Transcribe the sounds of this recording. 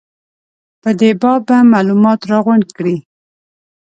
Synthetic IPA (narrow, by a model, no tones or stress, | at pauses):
pəd̪ebɑbamɑlumɑt̪ɾɑɣʊɳɖkɽi